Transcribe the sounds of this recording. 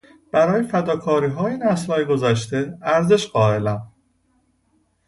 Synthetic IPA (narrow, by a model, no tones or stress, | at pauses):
b̥æɾɒːjefæd̪ɒːkʰɒːɾiːɦɒːjenæslɒːjeɡo̞zæʃt̪e̞æɾze̞ʃɢɒːe̞læm